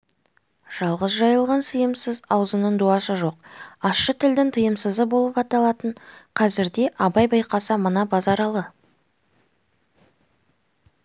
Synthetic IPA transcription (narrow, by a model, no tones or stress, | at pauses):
ʒ̥ɑlˠʁəzʒɑjəlˠʁɑnsəjəmsəzɑwzənəɴd̪uɑsəʒo̞q̚ɑsʃət̪ʰɪld̪ɪŋt̪ʰəjəmsəzəbo̞lˠəpɑt̪ɑlˠɑt̪əɴqʰɑzɪɾd̪e̞ʔɑbɑjbɑjqɑsəmənɑbɑzɑɾɑlˠə